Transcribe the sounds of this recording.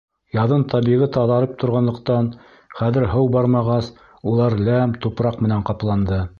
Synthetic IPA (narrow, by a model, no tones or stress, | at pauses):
jɑðɤnt̪ʰɑβiʁɘt̪ɑðɑɾɤp̚t̪ʰŏɾʁɑnlˠɤ̆qt̪ɑn | χæðɘ̆ɾɦɤwbɑɾmɑʁɑs | ulˠɑɾlæmt̪upɾɑqmɘ̆næɴqɑplˠɑnd̪ɤ